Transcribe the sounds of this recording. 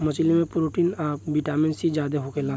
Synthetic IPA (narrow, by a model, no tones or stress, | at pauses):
mət͡ʃlimẽpɾuʈiːnaːbiʈaːminsid͡ʒaːd̪eɦokela